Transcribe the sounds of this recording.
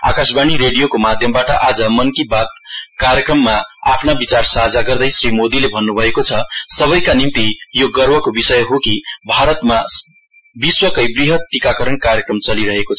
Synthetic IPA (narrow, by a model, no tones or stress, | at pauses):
a̰kasbaniɾeɽijokomad̪ʱjʌmbaʈʌʔad͡zʌmʌnkibat̪̚kaɾjʌkrʌmːaapʰnabit͡sarsaɦd͡zaɡʌrd̪ʌjsrimod̪ilebʱʌnːubʱʌekot͡sʰʌsʌβʌjkanimt̪ijoɡʌrbʌkobisʌjɦokibʱaɾʌt̪ma | biswʌkʌjbriɦʌt̪̚ʈikakʌɾʌnkaɾjʌkrʌmt͡sʌliɾʌɦekot͡sʰʌ